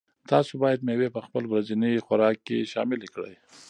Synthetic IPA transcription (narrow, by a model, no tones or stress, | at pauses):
t̪ɑsobɑjad̪mewepəxpəlbɾazinixaɾɑkːḛʃɑ̰mɪlekɽə̰j